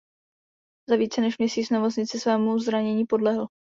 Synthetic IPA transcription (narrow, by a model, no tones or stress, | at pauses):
zaviːt͡sɛnɛʃmɲɛsiːt͡snɛmo̞t͡sɲɪt͡sɪsvɛːmuzɾaɲɛɲiːpo̞dlɛɦl̩